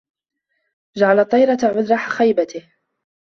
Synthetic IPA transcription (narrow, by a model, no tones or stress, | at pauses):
d͡ʒaʕalɑt̪ˤːɑjɾˤɑt̪aʕʊd̪ɾˤɑħaxajbat̪ɪh